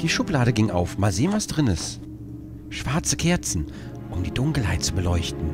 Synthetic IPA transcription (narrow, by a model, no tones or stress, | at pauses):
d̥iːʃʊplaːɾəɡɪŋʔa̰ʊfmaːlzeːənvasd̥ʁɪnəs | ʃv̥aɐt͡səkʰɛɐt͡sn̩ | ʔʊmdiːdʊŋkl̩ɦaɪt̚t͡subəlɔʏçtn̩